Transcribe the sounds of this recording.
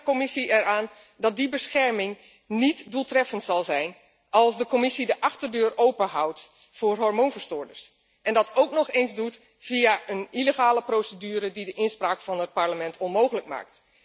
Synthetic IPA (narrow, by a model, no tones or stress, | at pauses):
komɪsiʔɛɾaːn | dɑt̚dibəsxɛɹmɪŋ | nitdulˠtrɛfəntsɑlˠzɛjn | ɑlˠsdəkomɪsidəʔɑxtərdøːrowpəɦawt | fʊːrɦɔɹmonvəɹstʊːɹdəɹs | ʔɛndɑtʰowknɔχenzdut | v̥iaʔəniləχaːləprowsədyːɾədidəʔɪnspraːkfɑnət̚paɹləmɛntʰɔnmowɣələkma̰ːk̚t